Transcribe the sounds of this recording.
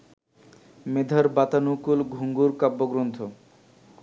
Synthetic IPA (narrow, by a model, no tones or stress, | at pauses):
med̪ʱaɾbat̪anukulɡʱuŋɡuɾkabːoɡɾont̪ʰo